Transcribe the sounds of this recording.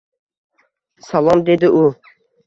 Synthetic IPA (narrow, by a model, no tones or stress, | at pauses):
salˠɒmd̪ed̪ɪʔu